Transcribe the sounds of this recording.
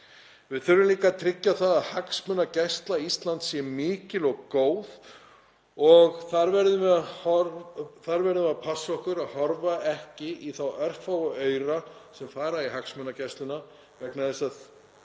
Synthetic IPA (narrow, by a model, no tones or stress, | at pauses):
vɪðθʏɾːʏmliːkat̪ʰɾɪcːaθaðaðhaksmʏnːacɛst̪laist̪lant̪sjɛmɪːcɪlɔɣkoːwð | ɔɣθaɾvɛɾðʏmɪahɔθaɾvɛɾðʏmɪapʰasːɔhkʏɾaðhɔɾvaɛhcɪiθawœr̥fawɔœːɥɾasɛmfaːɾaiɦaksmʏnːacɛst̪lʏna | vɛknaðɛsað